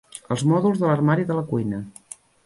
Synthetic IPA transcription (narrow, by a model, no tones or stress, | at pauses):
əlˠzmɔðulˠzðələrmaɾiðələkujnə